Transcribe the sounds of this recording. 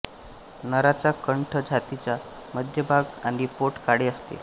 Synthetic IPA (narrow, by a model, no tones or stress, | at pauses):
nəɾat͡sakəɳʈʰəd͡ʑʱat̪it͡ɕja | məd̪ʱjəbʱaɡaɽ̃ipoʈkaɽeəst̪ḛ